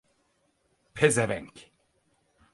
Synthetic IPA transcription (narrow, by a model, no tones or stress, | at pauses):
pʰezɛvɛŋk